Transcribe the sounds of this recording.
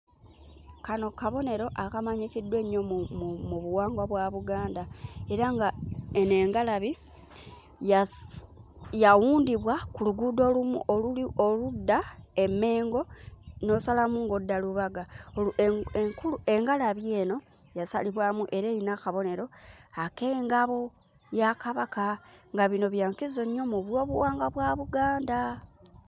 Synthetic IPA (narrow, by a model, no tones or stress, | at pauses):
kano̞kaβo̞ne̞ɾo̞ʔakamaɲikidwe̞ɲːommmuβuwaːŋɡwaβwaβuɡaːndae̞ɾaŋɡaeneːŋɡalaβi | ja | jawuːndiβwakuluɡudo̞ːlumṵʔolulio̞ludːae̞me̞ːŋɡo̞no̞usalamuŋɡodːaluβaɡaoueŋkulue̞ŋɡalaβje̞ːno̞ | jasa̰liβwamuʔe̞ɾeinakaβo̞ne̞ɾo̞akeŋɡaβo | jakaβakaŋɡaβino̞βjaːŋkizoɲo̞muβwo̞ːβuwaːŋɡaβwaːβuɡaːnda